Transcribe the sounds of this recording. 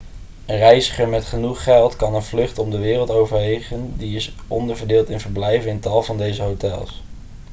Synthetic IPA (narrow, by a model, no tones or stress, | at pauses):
ənrɛjzəχəɹmɛtχənuχːɛlˠtkɑnənvlɵχtɔmdəʋɪːrəlˠtowvəɹʋeχəndiɪsɔndəɹvəɹdɪːlˠtɪnvəɹblɛjvənɪntɑlˠvɑndejzəɦotɛ̰lˠs